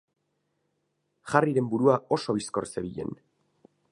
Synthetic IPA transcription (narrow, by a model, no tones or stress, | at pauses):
ʝariɾe̞mbuɾuao̞so̞βisko̞ɾse̞βiʎe̞̰n